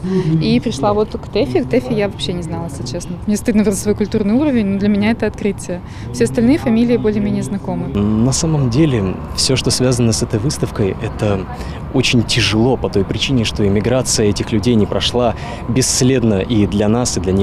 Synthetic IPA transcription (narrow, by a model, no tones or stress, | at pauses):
ipɾʲɪʂlˠavo̞t̪kt̪ɛfʲɪk̚t̪ɛfʲɪjavɐpɕːenʲɪznalˠəsʲlʲɪt͡ɕesnəvot̪mnʲest̪ɨd̪nəvzəsvojkʊlʲt̪urnɨɪjuɾəvʲɪnʲnod̪lʲəmʲɪnʲaɛt̪əɐt̪kɾɨtʲɪjə | fsʲeɐst̪ɐlʲnɨjəfɐmʲilʲɪjɪbolʲɪəmʲenʲɪjəznɐko̞mɨnɐsaməmdʲelʲɪ | fsʲoʂt̪osvʲazənəsɛt̪əjvɨst̪əfkəjɛt̪ə | ot͡ɕɪnʲtʲɪʐɨlˠo̞pɐt̪o̞jpɾʲɪt͡ɕinʲɪʂt̪o̞ɪmʲɪɡɾat̪sɨjəɛtʲɪxlʲʉdʲejnʲɪpɾɐʂlˠa | bʲɪsːlʲe̞d̪nəʔid̪lʲɐnasɨd̪lʲɐnʲix